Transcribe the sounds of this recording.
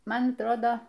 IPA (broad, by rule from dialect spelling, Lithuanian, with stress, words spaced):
ˈmɐn ɐtˈroːdoː